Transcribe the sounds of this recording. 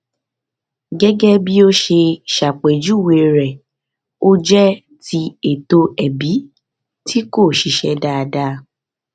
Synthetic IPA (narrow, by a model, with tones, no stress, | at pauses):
ɡɛ˦ɡɛ˦bi˦o˦ʃe˧ʃa˨k͡pe˨d͡ʒu˨˦˨we˨ɾɛ˨ | o˦d͡ʒɛ˦ | ti˧e˨to˧ɛ˨bi˨˦ | ti˦ko˦˨ʃi˨˦ʃɛ˧˦da˦˧da˦